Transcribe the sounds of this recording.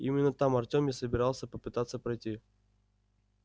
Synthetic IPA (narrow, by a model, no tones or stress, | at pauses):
ḭmʲɪnːət̪amɐrtʲomjasəbʲɪɾalˠsʲəpəpɨt̪at̪sːəpɾɐjtʲi